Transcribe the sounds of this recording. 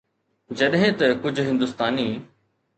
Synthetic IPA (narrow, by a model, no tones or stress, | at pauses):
d͡ʑɐɗɦẽt̪ɐkʊd͡ʑʱɦɪ̃nd̪ʊst̪aːniː